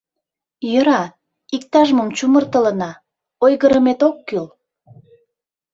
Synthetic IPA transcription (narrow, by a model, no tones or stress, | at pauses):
jəɾɑ | ik̚t̪ɑʒməmt͡ɕumərt̪ələ̆nɑ | ojɣəɾəmet̪okːyl